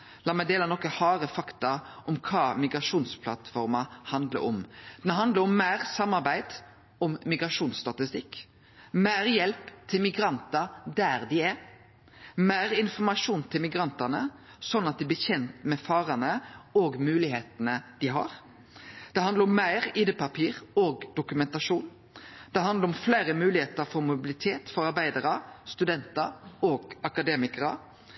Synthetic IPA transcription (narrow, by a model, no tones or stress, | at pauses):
lɑːmɛɪd̪eːlɑnɔkːəhɑːɾəfɑkt̪ɑʔɔmkʰɑːmɪɡɾɑʂuːnspʰlɑt̪fɔɾmɑhɑnd̪lə̰ɾɔ̰md̪̥ɛnɦɑnd̪ləɾɔmːæɪɾsɑmːɑɾbæɪd̪̥ | ɔmːɪɡɾɑʂuːnst̪ɑt̪ɪst̪ɪkː | mæɪɾjɛlpt̪ʰɪlmɪɡɾɑnt̪ɑd̪æɾd̪ɪæ | mæɪɾɪnfɔɾmɑʂuːnt̪ʰɪlmɪɡɾɑnt̪ɑnə | sɔnːɑt̪̚d̪ɪblɪçɛnt̪mɛfɑːɾənəoːɡmʉːlɪheːt̪nəd̪̥ɪɦɑ̰ɾ | d̪̥ɛhɑnd̪ləɾɔmːæɪɾiːd̪epɑpʰiːɾoːɡd̪ʊkʉmɛnt̪ɑʂuːn | d̪̥ɛɦɑnd̪əɾɔmflæːɾəmʉːlɪheːt̪əɾfɔɾmʊbɪlɪt̪ʰeːt̪fɔɾɑɾbæɪd̪əɾəst̪ʉd̪ɛnt̪əoːɡɑkɑd̪eːmɪkəɾə̰